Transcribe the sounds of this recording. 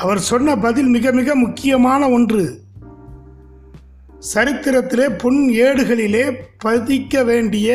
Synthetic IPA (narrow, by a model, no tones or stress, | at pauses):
ʔɐʋɐɾsɔnːɐbɐðɪlmɪɣɐmɪɣɐmʊkːɪjɐmaːnɐɔndrɯ | sɐɾɪt̪ːɪɾɐt̪ːɪleːpʊɳeːɽɯɣɐɭɪleːpɐðɪkːɐʋeːɳɖɪjɐ